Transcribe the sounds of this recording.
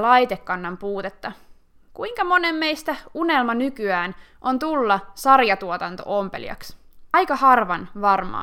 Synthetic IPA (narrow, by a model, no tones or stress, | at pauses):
lɑjt̪ekːɑnːɑmpuːt̪e̞t̪ːɑ | kuiŋkɑmo̞nemːe̞jst̪æunelmɑnykyæːn | ʔo̞nt̪ulːɑsɑrjɑt̪uot̪ɑnt̪o̰ʔompe̞̰lḭjɑ̰ksɑjkɑhɑrʋɑnʋɑrmɑ̰ː